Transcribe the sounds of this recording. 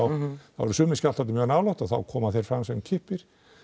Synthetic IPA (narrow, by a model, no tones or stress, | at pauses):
wa̰vɔɾʏsʏːmɪscalʰat̪ɪmjœɣnaːwlawt̪aθa̰wkʰɔːmaθejɾ̥fɾamsɛmcʰɪhpɪɾ̥